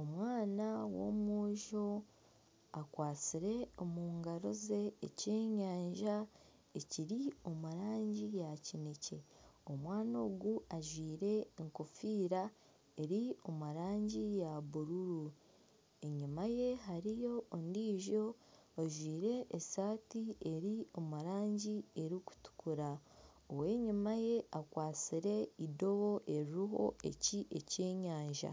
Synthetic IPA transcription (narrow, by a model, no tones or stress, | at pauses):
o̞mwaːnawo̞̰mwoːʒo̞ | akwaːt͡siɾe̞omuːŋɡaɾo̞ze̞ːce̞ːɲaːɲʒa | eciɾio̞muɾaːɲɟijacinece̞o̞mwaːno̞ːɡuaʒwiːɾe̞ːŋkofiːɾa | e̞ɾio̞muɾaːɲɟijaβuɾuɾu | eɲimaje̞ɦaɾijo̞ːndiːʒo̞ | oʒwiːɾe̞ʔːsaːtie̞ɾio̞muɾaːɲɟie̞ɾiku̥tu̥kuɾa | owe̞ːɲimaje̞akwaːt͡siɾe̞ido̞βo̞ʔe̞ɾiɦo̞̰e̞̰ciʔece̞ːɲaːɲʒa̰